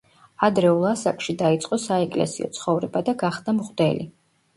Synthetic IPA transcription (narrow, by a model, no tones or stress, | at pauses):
ad̪ɾɛulˠasakʼʃid̪ait̪sʼqʼɔsaɛkʼlɛ̰siɔ̰t̪sʰχɔvɾɛbad̪aɡaχd̪amʁd̪ɛlḭ